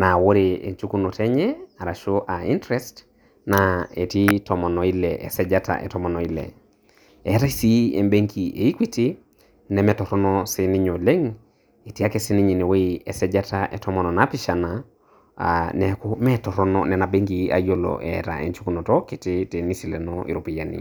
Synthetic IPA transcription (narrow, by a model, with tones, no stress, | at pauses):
na˨wo˦ɾeḛ˨ɲt͡ʃu˦ku˦no˨tɛ˦ɲɛa˨ɾa˨ʃo˦ʔa˨i˦ntɾɛst | nae˨ti˦tɔ˨mɔ˨nɔ˨i˦lɛʔɛ̰˨sɛ˦d͡ʒata̰ʔɛ̰˨tɔ˦mɔ˨nɔ˨ilɛ̰˨ | ɛ˨˦ta˦i˦si˦ḛ˨mbe˦ŋki˨ʔḛ˨i˦kwi˦ti˦ | nɛ˨mɛ˨tɔ˨ɾɔ˦nɔsɪ˦ni˦ɲo˨le˦ŋ | e˨ti˦a˦kɛsi˦ni˦ɲi˨ni˨we˦ɛ˨sɛd͡ʒa˦taʔɛ˨tɔmɔ˨nɔ˨na˦pɪʃana̰ | nɛku˦mɛ˦tɔ˨ɾɔ˦nɔ̰nɛna˨be˦ŋki˦a̰˨jo˦lo̰ʔɛ̰ta̰ʔɛ̰˨ɲt͡ʃu˦kuno˨tɔ˦ki˨tite˨nisi˨lɛ˨nɔʔḭ˨ɾu˨pi˨janḭ˨